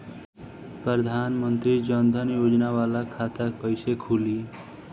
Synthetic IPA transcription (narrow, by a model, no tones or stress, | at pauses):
pɾʌd̪ʱanmʌnt̪ɾid͡ʒʌnd̪ʱʌnjod͡ʒnawalakʰat̪akʌjsekʰuli